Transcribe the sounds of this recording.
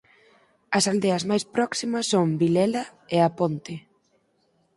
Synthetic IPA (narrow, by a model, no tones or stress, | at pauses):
ɐsald̪eɐzmajspɾɔksimɐsːoŋbilɛlɐeapont̪ɪ